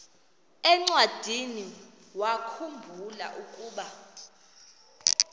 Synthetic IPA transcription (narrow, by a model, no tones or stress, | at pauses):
ɛŋ͡ǀwad̥ʱini | wakʰumbʱula̰ʔukʼuːɓa